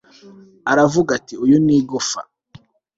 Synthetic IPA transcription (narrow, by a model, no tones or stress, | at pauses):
aɾavuɡatiujoniːɡofa̰